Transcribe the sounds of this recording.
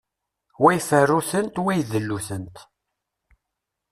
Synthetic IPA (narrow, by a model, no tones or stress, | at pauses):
wæjfərːuθənt̪wæjðəlːuθənt̪